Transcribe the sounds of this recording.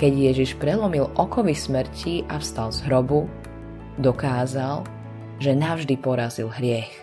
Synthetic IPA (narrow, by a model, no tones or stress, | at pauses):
kɛɟjɛʒiʃpɾɛlɔmilʔɔkɔʋismɾ̩ciʔafst̪alzɦɾɔbu | d̪ɔkaːzal | ʒɛnavʒd̪ipɔɾazilɦɾɪɛx